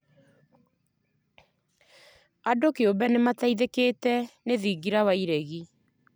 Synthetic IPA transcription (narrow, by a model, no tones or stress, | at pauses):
adokeobɛnemataiðekeːtɛneðiɡiɾawaiɾɛɣi